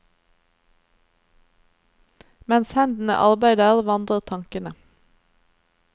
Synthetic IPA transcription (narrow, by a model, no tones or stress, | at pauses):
mɛnshɛnd̪n̩ə̰ʔɑʁbæɪd̪əæːʁʋɑnd̪ʁəʁt̪ʰɑŋkənə